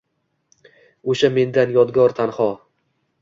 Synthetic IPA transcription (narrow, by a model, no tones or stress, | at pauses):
oʃame̞nd̪anjɒd̪ɡɒɾt̪ʰanhɒ